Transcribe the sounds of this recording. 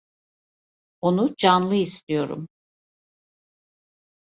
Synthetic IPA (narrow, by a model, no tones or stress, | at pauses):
o̞nud͡ʒanlˠɯist̪ʰijo̞ɾṵm